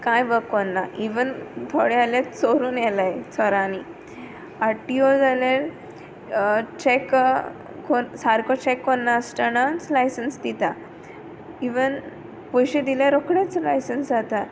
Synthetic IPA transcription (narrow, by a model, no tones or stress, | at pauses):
kãjʋəkːonːaʔiʋənt̪ʰoɽealjatt͡soɾuːnjɛlajt͡sʰɔɾani | aʈːiod͡zalel | t͡ɕek | konsaɾkɔt͡ɕɛkːonːasʈənat͡slajsənsd̪it̪a | iʋən | pɔjɕed̪ilaɾokɽet͡slajsənsd͡zat̪a